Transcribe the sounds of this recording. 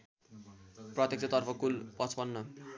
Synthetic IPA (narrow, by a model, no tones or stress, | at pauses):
prʌt̪jek̚t͡sʰʌt̪ʌrpʰʌkulpʌt͡sʰpʌnːʌ